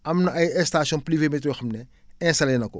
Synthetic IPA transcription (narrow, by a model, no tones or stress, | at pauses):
ɐmnɐɐjɛstaːsɔnpliveːmetɾoːxɐmnɛɛ̃ːsɐlɐjnɐkɔ